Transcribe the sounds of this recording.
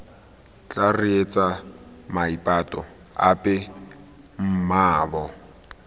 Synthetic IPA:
t͡ɬʼariet͡sʼamaipʼatʼɔ | a̰pʼɛ | m̩maːbɔ

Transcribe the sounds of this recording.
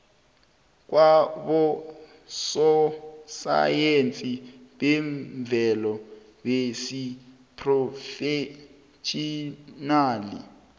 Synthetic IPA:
k̬ʼwaɓɔ | sɔsa̰jent͡sʼiɓɛɱb̪vʱɛlɔ | ɓesi | pʰrɔfe | ʃinaːlḭ

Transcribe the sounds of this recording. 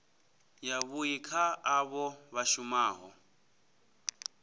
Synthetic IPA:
jaβujikʰaːβɔβaʃumaːɦɔ

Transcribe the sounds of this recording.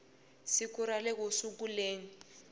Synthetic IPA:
sikuɾalɛk̬osukuleːni

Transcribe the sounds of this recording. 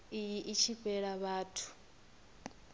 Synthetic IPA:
ijiʔit͡ʃʰiɸɛɺaβaːtʰu̥

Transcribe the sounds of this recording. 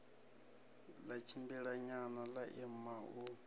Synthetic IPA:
lat͡ʃʰimbiɺaɲanalaʔɛmau

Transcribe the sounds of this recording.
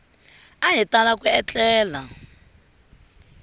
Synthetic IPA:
aɦitalakuɛt͡ɬɛːla

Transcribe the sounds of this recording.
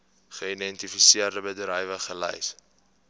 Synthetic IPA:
χəidɛntifisiərdəbədrəjvəχəlɛ̰js

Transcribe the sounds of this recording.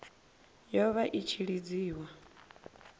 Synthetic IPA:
jɔβaʔit͡ʃʰiɺid͡ziːwa

